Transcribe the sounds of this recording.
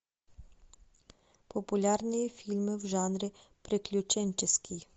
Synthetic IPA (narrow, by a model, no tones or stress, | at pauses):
pɔpʊlʲarnʲijifʲilʲmɪwʒanɾɪ | pɾɪklʲʊt͡ʃɛnʲt͡ʃɪskʲʰij